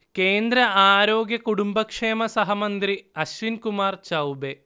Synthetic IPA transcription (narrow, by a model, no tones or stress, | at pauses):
ke̞ːnd̪ɾɐʔaːɾo̞ːɡjɐkuɽumbɐkʂeːmɐsɐɦɐmɐnd̪ɾiɐɕʋinkumaːrt͡ɕɐwbe